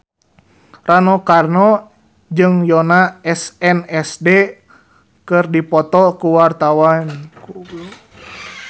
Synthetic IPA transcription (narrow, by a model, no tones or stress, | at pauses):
ranɔkarnɔ | d͡ʒɨŋjɔnaɛsɛnɛsde | kɨrdipɔt̪ɔkuwart̪awanku